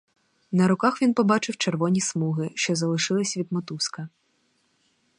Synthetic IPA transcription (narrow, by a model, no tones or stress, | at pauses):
nɐɾʊkɑxʋʲinpɔbɑt͡ʃɪwt͡ʃerʋɔnʲismuɦɪʃt͡ʃɔzɐlˠɪʃɪlˠɪsʲʋʲid̪̚mɔt̪uskɐ